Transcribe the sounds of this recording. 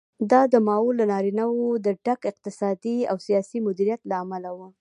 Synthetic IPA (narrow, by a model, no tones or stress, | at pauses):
d̪ɑd̪əmɑolːanɑɾinawod̪əɖakɪq̚t̪ɪsɑd̪ia̰wsijɑsimʊd̪iɾijat̪laːmalawu